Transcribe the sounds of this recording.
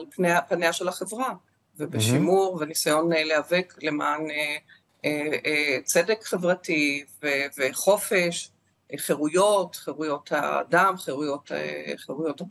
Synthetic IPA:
alpneapaneaʃelaχevʁa | vebeʃimuʁvenisajo̞nelehaveklemaːne | eet͡sedekχevʁativeveχo̞feʃ | χeʁujo̞tχeʁujo̞tha̰damχeʁujo̞tχeʁujo̞ta

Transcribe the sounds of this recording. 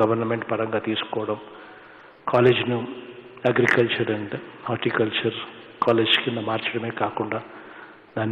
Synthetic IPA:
ɡɐʋɐrnɐmeɳɖpɐrɐŋɡɐt̪iːskoːɽɐm | kʰoːleːd͡ʑinu | ɐɡɾikːɐlt͡ʃɐɾenɖɨaːrʈːikːɐlt͡ʃɐrkoːleːd͡ʑɨ̥kend̪ɐmaːrt͡ʃɐɾɐmeːkaːkːuɳɖɐ | nɐn

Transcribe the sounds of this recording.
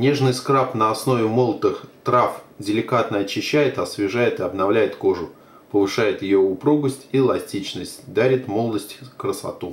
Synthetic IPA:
nʲe̞ʐnɨjskɾapnəɐsno̞vʲɪmolˠt̪ɨxt̪ɾafdʲɪlʲɪkat̪nəɐt͡ɕːɪɕːæjɪt̪ɐsvʲɪʐajɪt̪ɨɐbnɐvlʲæjɪt̪ko̞ʐʊ | pəvɨʂajɪt̪jɪjoʊpɾuɡəsʲtʲilˠɐsʲtʲit͡ɕnəsʲtʲd̪aɾʲɪt̪mo̞lˠd̪əsʲtʲkɾəsɐ̰t̪u

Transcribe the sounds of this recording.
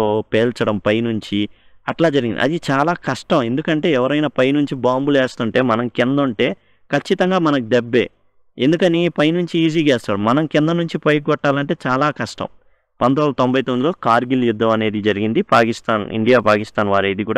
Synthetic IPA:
opeːlt͡ʃɐɽɐmpɐjnuɲt͡ʃi | ɐʈlaːd͡ʒɐɾiɡind̪iɐ̰d̪it͡ʃaːlaːkɐʂʈɐme̞nd̪ukɐɳʈe̞ːɛʋɐɾɐjnɐpɐjnuɲt͡ʃibaːmbuleːst̪uɳʈe̞ːmɐnɐmkind̪uɳʈe̞ː | kɐt͡ʃːit̪ɐŋɡaːmɐnɐkid̪ebːeː | end̪ukɐnipɐjnuɲt͡ʃiiːd͡ʒ̬iːkɛːst̪aːɽumɐnɐmkind̪ɐnuɲt͡ʃipɐjɡɔʈːaːlɐɳʈe̞ːt͡ʃaːlaːkɐʂʈɐ̰m | pɐnd̪onlɐt̪o̞mbɐjt̪ond̪uiloːkaːɾɡilud̪ːɐmɐne̞ːd̪id͡ʒɐɾiɡind̪ipaːkist̪aːnḭɳɖijaːpaːkist̪aːnʋaːɾɐjd̪ikuːɽa

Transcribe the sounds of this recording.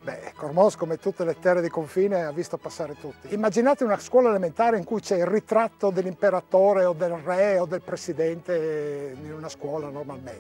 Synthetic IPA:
bɛ̰kormɔskomet̪ut̪ːelet̪ːɛred̪ikoɱfiːneavːist̪opasːaːɾet̪ut̪ːiimːad͡ʒinaːt̪eunaskwɔːlaelement̪aːɾeiŋkujt͡ʃɛilrit̪ɾat̪ːod̪elːimpeɾat̪oːɾeod̪elrɛod̪elpɾesid̪ɛnt̪einunaskwɔːlanormalmen

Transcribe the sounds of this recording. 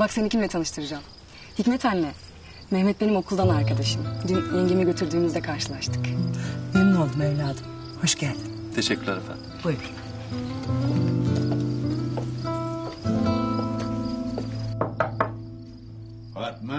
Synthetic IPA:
baksenicʰʲimvɛt̪ʰanɯʃt̪ʰɯɾɯd͡ʒaːm | hicʲmɛt̪ʰænːɛ | mɛhmɛt̪̚be̞nimo̞kʰulˠd̪anaɾkad̪aʃɯmd̪ynjeɲɟimiɟø̞t̪ʰyɾd̪yːmyzd̪ɛkʰaɾʃɯlˠaʃt̪ʰɯ̥kbenimo̞lˠd̪umɛvlʲaːd̪ɯm | ho̞ʃɟælʲd̪ɪmt̪ʰeʃɛcːyɾlɛɾefæ̰nbujbiɾ

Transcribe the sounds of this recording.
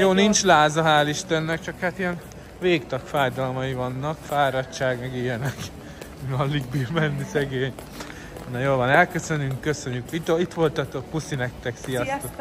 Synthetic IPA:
joːnint͡ʃlaːzɒɦaːliʃt̪ɛnːɛk̚t͡ʃɒkhat̪ijɛn | veːkt̪ɒkfaːjd̪ɒlmɒjivɒnːɒkfaːɾɒtt͡ʃaːɡmɛɡijɛnɛk | mɒlːiɡbiːrmɛnːisɛɡeːɲ | nɒjoːlvʋɒnɛlkøsø̞nyŋkːøsøɲːykit̪oit̪ʋo̞lt̪ɒt̪okpusinɛkt̪ɛksijɒsotk

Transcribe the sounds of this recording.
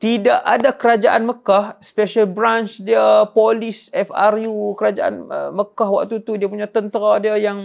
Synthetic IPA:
t̪idaʔadakəɾad͡ʒaʔanməkahspeʃalbɾant͡ʃdiəpolɪsɛfa̰rjukəɾad͡ʒaʔa̰nməkahwa̰k̚t̪ut̪udiəpuɲat̪ənt̪əɾadiəjaŋ

